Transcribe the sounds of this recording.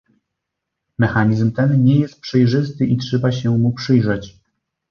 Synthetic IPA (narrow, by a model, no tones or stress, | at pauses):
mɛxaɲizmt̪ɛnɲɛjɛst̪̚pʂɛjʐɘst̪ɘʔitʂɛbaɕɛmupʂɘjʐɛt͡ɕ